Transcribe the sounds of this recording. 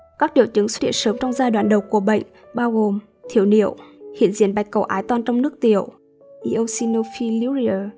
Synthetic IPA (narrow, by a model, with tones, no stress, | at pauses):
kaː˦˥k̚ɗḭ˧˨əwt͡ɕɨ˨˦ŋswt̚hḭ˧˨ənsəː˨˦mt͡ɕɔ˧wŋ͡mzaː˧jɗwaː˧˨nɗə˨˩wku˧˩əɓə̰˧˨jŋ̟ | ɓaː˧wɣo˨˩m | t̪ʰi˧˩əwnḭ˧˨əwhḭ˧˨ənzḭ˧˨ənɓa˨˩jk̟̚kə˨˩wʔaː˨˦jt̪waː˧nt͡ɕɔ˧wŋ͡mnɨ˦˥ək̚t̪ḭ˧˨əw | ʔi˨˦ʔə˧wsi˧no˧fi˧li˧i˧ə˨˩